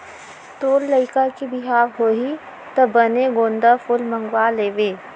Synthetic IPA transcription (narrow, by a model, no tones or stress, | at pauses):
t̪oːlləɪkakibɪɦaːɾɦoːɦi | t̪ɐbɐneɡõːnd̪əfʊlmə̃ŋɡwaːleːʋeː